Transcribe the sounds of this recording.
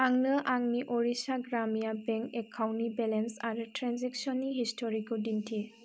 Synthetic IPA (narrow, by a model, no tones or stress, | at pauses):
aŋnɯʔaŋniʔɔɾisaɡɾamijabɛŋkekʰawnibɛlensaɾɯtɾanzɛk̚sɔniɦistʰɔɾikudintʰi